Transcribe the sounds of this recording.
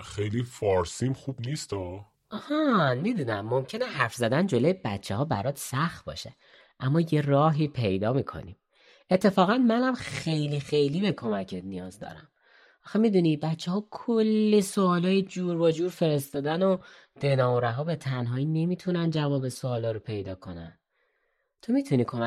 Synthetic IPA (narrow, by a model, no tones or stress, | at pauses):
xejlifɒɾsimχubniːst̪o | hɔmid̪unæmːomcʰe̞neɦæɾfzæd̪ænd͡ʒo̞lojebæ̰t̪t͡ʃʰːḛhɒːbæ̰ɾɒːt̪sæxt̪̚bɒ̰ːʃḛ | ʔæmːɒːje̞rɒːɦiːpʰe̞jd̪ɒːmikʰo̰nḭm | et̪ʰːe̞fɒːɣænmænæmxe̞jlixe̞jlibe̞kʰo̞mæcʰet̪nijɒːzd̪ɒ̰ɾæ̰m | ʔɒxemid̪uːnibætt͡ʃʰːeɦɒːkʰolːisoːlɒːjed͡ʒuːɾbɒd͡ʒuːɾfe̞ɾe̞st̪ɒːd̪æno | d̪̥e̞nɒːoɾæɦɒːbe̞t̪ʰænɦɒːine̞miːt̪ʰunænd͡ʒævɒːbesoːlɒːɾopʰe̞jd̪ɒːkʰo̞næ̰n | t̪ʰo̞mit̪ʰuniːkʰomæ